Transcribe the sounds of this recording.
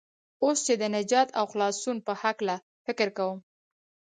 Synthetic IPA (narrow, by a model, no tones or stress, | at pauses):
ost͡ʃed̪ənad͡ʒɑt̪ʰawxlɑsunpəhakla | fɪkɪɾkawəm